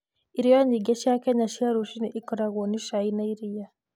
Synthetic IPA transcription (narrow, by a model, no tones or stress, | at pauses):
iɾijɔɲiɡeʃjakɛɲaʃiaɾuʃiniʔikɔɾaɣɔniʃainaiɾija